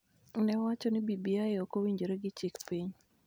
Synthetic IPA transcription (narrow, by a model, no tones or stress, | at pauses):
nɛwat͡ʃɔnɪbibiaɪokowiɲd͡ʒoɾeɡɪt͡ʃikpiɲ